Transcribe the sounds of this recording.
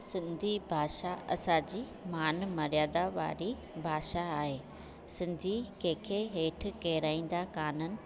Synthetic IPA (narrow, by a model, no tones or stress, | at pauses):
sɪ̃nd̪ʱibʱaːʃaɐsãd͡ʑiː | maːnmɐɾjaːd̪aʋa̰ːɾi | bʱaːʃaːɦeː | sɪ̃nd̪ʱikẽːkʰeɦeːʈ̆ʰkɐɦɾaːĩːn̆d̪akaːnənɪ̆